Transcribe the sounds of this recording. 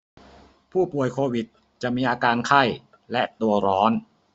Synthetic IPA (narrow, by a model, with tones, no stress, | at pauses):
pʰuː˥˩pu˨˩əjkʰoː˧wi˨˩t̪̚ | t͡ɕa˨˩ʔmiː˧ʔaː˧kaː˧nkʰa˥˩j | lɛ˦˥ʔt̪u˧ɐɾɔː˦˥n